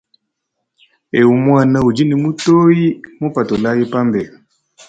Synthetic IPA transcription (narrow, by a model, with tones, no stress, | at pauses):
e˨u˨mwa˦˨na˦u˨d͡ʒi˦ni˨mu˦to˦i˦mo˦pa˨tɔ˨la˦ji˦pa˦mbɛ˨